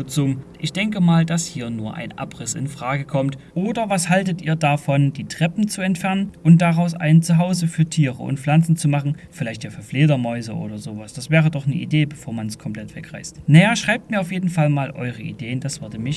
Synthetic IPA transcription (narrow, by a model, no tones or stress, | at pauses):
t͡sʊmʔɪçd̥ɛŋkəmaːldashiːɐnuːɐʔa̰ɪnʔa̰pʁɪsɪ̰nfʁ̥aːɡəkʰɔmtʔoːdɐvashaltətʔiːɐdafɔndiːtʁ̥ɛpm̩t͡suɛntfɛɐnənʔʊnt̚d̥aʁaʊsʔa̰ɪnt͡suɦaʊzəfyːɐtʰiːʁə̰ʔʊ̰ntflant͡sn̩t͡sumaχn̩ | fɪlaɪçtjaːfyːɐfleːdɐmɔʏzəʔo̰ːdɐzoːvasd̥asv̥ɛːʁ̞ədɔχnəʔḭdeːbəfoːɐmanskʰɔmplɛtv̥ɛkʁ̥aɪstnajaːʃʁ̥aɪp̚tmiɐaʊfjeːdn̩falmaːlʔɔ̰ʏʁəʔḭdeːənd̥asv̥ʏɐdəmɪç